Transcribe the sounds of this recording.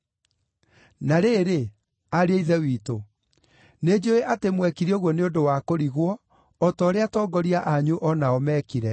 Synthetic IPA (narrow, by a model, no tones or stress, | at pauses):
naɾeːɾe | aɾeeiðɛwiːto | ned͡ʑoeʔatemwɛkiɾioɣwɔneondowakoɾiɣwɔː | tɔːɾeatɔːɡɔɾiaʔaɲuʔɔnaɔmɛkiɾɛ